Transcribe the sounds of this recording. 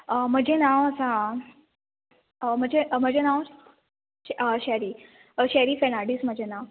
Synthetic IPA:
əm̤əd͡ʑʱenaʋəsa | m̤əd͡ʑʱem̤əd͡ʑʱenaʋ | əɕɛɾiː | əɕɾiːfenaɽism̤əd͡ʑʱenaʋ

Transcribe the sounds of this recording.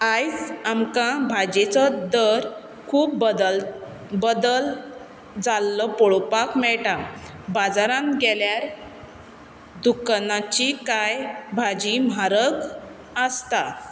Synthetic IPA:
ajt͡samkãbʱad͡ʑet͡sɔd̪əɾ | kʰuːp̪̚ | bəd̪əl | d͡zalːɔpɔɭpakmɛɭʈa | bad͡zaɾãnɡɛljaɾ | d̪ukanat͡ɕikajbʱad͡ʑimaɾəɡ | əst̪a

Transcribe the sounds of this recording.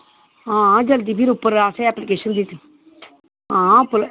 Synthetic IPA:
ɦãːd͡ʒəld̪iːpʰiɾʊpːəɾaːseɛːplɪkeːʃənd̪it̪ | ɦãːpːəl

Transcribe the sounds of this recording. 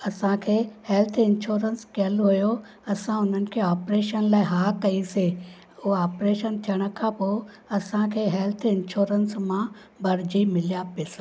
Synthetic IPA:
ɐsãkʰeːheːlt̪ʰɪ̃nʃoːɾənskɐəloɦʊjo | ɐsãʊn̤ənɪ̆kʰeːaːpɾeːʃənlaːɪɦaːkɐise | ʊɦɔːpɾeːʃənt̪ʰijəɽ̃ə̆kʰãpoː | ɐsãkʰeːɦɛlt̪ʰɪnʃoːɾənsmã | bɐɾd͡ʑimɪlijapesa

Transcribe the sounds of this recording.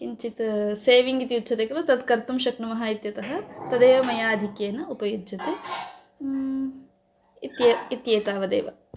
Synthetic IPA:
kiɲt͡ʃit̪seːʋiŋɡit̪ijutːt͡ʃʰːʃɐt̪ekɾɐt̪ɐd̪kɐɾt̪umʃɐknɐmɐɦaːit̪jɐt̪ɐɦɐ̆t̪ɐd̪eːʋɐmɐjaːɐd̪ʱikjeːnɐupɐjud̪d͡ʒɐt̪ɐ | it̪jɐit̪jeːt̪aːʋɐd̪ḛːʋɐ

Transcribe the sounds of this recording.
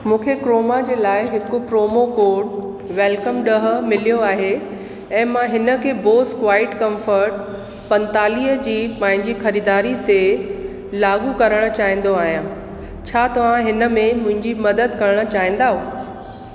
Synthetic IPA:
mũːkʰekɾoːmad͡ʑeːlaːɪɦɪkʊpɾoːmokoːɖ | ʋɛːlkəmɗɐɦə̆mɪlijoaːɦe | ɛ̃ːmãɦɪnə̆kʰeːboːskʋaːɪʈkɐ̃mfəɾʈ̚ | pɐ̃nt̪aːliːɦəd͡ʑiːpãːɦɪ̃ɲd͡ʑixɐɾiːd̪aːɾit̪e | laːɡukɐɾəɽ̃ə̆t͡ɕaːɦĩːn̆d̪oaːɦijã | t͡ɕʰaːt̪ɐʋ̤ãɦɪnə̆mẽmʊ̃ɦɪ̃ɲd͡ʑimɐd̪əd̪kɐɾəɽ̃ə̆t͡ɕaːɦĩːn̆d̪aːɦũː

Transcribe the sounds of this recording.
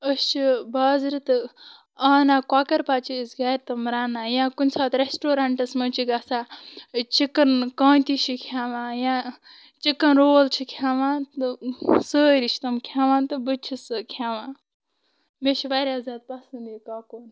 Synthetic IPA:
əst͡ʃʰibaːzɾit̪ɨ | aːnaːkaːkɐɾpaːt͡ʃʰisɡaːɾt̪ɐmɾaːnaːjãːkunʲsaːt̪ɾesʈoːɾaːɳʈɐsmɐt͡ʃʰiɡaːsaːt͡ʃikːɐnkaːnt̪it͡ʃʰikʰjaːʋãːjãː | t͡ʃikːɐnɾoːlt͡ʃʰikʰjaːʋãːnt̪ɨsəːɾiʃʰt̪ɐmkʰʲaːʋãːnt̪ɨbɨt͡ʃʰisɨkʰjaːʋãː | met͡ʃʰibaːɾʲaːzaːd̪̚pɐsɐnd̪ikaːkoːn

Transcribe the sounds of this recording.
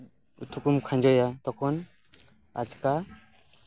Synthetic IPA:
ṵt̪ʰukumkʰand͡ʒɔjat̪ɔkʰɔn | a̰t͡ʃka

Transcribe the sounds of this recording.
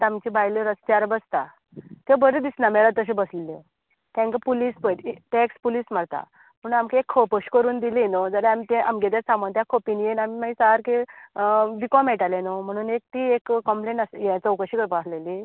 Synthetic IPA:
t̪amt͡ɕibajliɾəst̪aɾbəst̪a | t̪ebəɾed̪isnameɭat̪əɕ̬ẽbəsllːe | t̪ẽŋkapulispəʈʈekspuliːsmaɽt̪a̰ | pəɳamkeekʰːopəɕkəɾuːnd̪ilinod͡zəɾɛamit̪ẽʔamiɡet̪asamənt̪jakʰopinjenamimaisaɦaɾke | ʋikɔmeʈalenɔm̤əɽ̃uːnek̚t̪iːekːəmpleɳʈasjet͡səwkəɕikəɾpasleli

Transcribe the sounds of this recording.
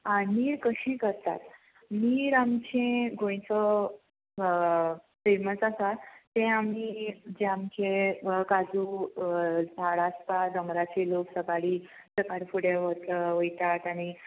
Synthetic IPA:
aniːɾkəɕẽkəɾt̪a̰t̪ | niːɾamt͡ɕẽɡʱõj̃t͡sə | feməsasaːẽamid͡ʑeamkẽkad͡zu | d͡zʱaɽaspad̪əŋɡɾat͡ɕeloksəkaɽiː | səkaɾipuɽeʋət̪ʋəjt̪at̪aɽ̃i

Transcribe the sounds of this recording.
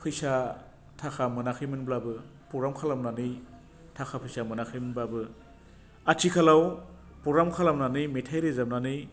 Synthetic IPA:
pʰɯjsa | tʰakʰamɯnakʰɯjmɯnblabɯ | pɔɾamkʰalamnanɯj | tʰakʰapʰɯjsamɯnakʰɯjmɯnblabɯ | atʰikʰalaw | pɔɾamkʰalamnanɯjmetʰajɾezam̚nanɯj

